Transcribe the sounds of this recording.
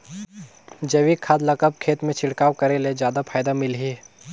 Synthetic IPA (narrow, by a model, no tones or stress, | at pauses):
d͡ʒɐʋikʰaːd̪lakəp̚kʰeːt̪mẽt͡ʃʰɪɽkaːwkɐɾeled͡ʒjaːd̪apʰaːjd̪amɪlɦi